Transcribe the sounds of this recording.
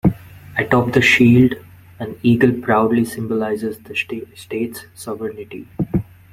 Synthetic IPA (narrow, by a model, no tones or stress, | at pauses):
ɛʈɔpd̪əʃiːlɖ | æ̃ɳɖiːɡəlpɾaʊɖlisɪ̃mbolaɪzɪzd̪əsʈeːʈsːɔʋəɾnɪʈḭ